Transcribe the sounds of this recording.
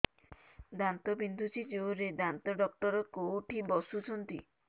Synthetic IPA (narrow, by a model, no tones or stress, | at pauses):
d̪ant̪ɔbind̪ʱut͡ʃʰid͡ʒeouɾed̪ant̪ɔɖɔk̚ʈɔɾɔkoʈʰibɔsut͡ʃʰɔnt̪i